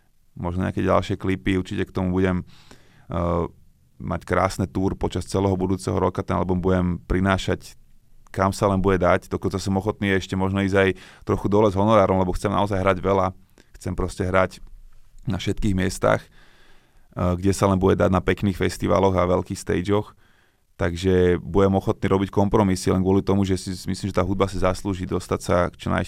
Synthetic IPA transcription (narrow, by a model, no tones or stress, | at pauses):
mɔʒnɔɲɛ̰a̰kɛɟa̰lʃɪɛklipiuɾt͡ʃicɛkt̪ɔmubuɟɛm | ma̰ckɾa̰ːsnɛt̪uːɾpɔt͡ʃast͡sɛlɛːɦɔbud̪uːt͡sɛɦɔɾɔkat̪ɛnalbumbuɟɛmpɾinaːʃac | kamsalɛnbuɟɛd̪aɟd̪ɔkɔnt͡sasɔmɔxɔt̪niːjɛɛʃcɛmɔʒnɔiːzɟajt̪ɾɔxud̪ɔlɛzɦɔnɔɾaːɾɔmlɛbɔxt͡sɛmna̰ɔzajɦɾaɟʋɛla | xt͡sɛmpɾɔscɛɦɾac | nafʃɛt̪kiːɣmɪɛst̪a̰ːx | ɡɟɛsalɛnbuɟɛd̪aɟnapɛkniːxfɛst̪iʋa̰lɔɣaʋɛlkiːxst̪ɛ̰jd͡ʒɔx | t̪aɡʒɛbujɛmɔxɔt̪̚niːɾɔbickɔmpɾɔmisilɛnɡʊɔlit̪ɔmuʒɛsisimislimʒɛt̪aːɦud̪basizasluːʒid̪ɔst̪acsa̰kt͡ʃɔna̰